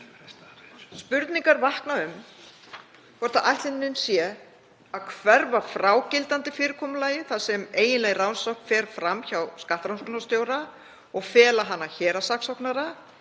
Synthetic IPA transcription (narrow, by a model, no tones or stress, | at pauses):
spʏɾt̪niŋkaɾvahknaʏm | kʰɔɾ̥t̪aʔajht̪ɪnːʏnsjɛ | aðkʰvɛɾvaɾfɾaːwcɪlt̪ant̪ɪfɪːɾɪkʰɔːmʏlaːjɪθaðsɛmeːjɪnlɛɣrawnsɔwhk̪fɛːɾfɾamçawskaht̪ɾawnskʏnast̪joːwɾa | ɔɣfɛːlaɦanːaçɛːɾasaksɔwknaɾa